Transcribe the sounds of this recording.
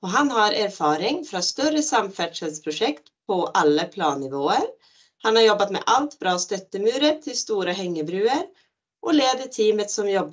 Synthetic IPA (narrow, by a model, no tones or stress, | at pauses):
ɔɦanɦaɾæɾfɑːɾɪŋfɾɑst̪œɾəsamfæɖʂɛspʰɾʊʂɛkt̪pʰɔʔalːəpʰlɑːnːɪvoːəɾ | hanhaɾjɔbːat̪mɛ̰ʔalt̪bɾɑːst̪œt̪ːəmʉːɾət̪ʰːɪlst̪uːɾaɦɛŋːəbɾʉːəɾ | ʔɔleːd̪əʈʰiːmət̪sɔmjɔb